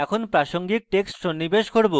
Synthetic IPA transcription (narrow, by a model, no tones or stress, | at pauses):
ɛkʰonpɾaʃoŋɡik̚ʈeksʈʃonːibeʃkoɾbo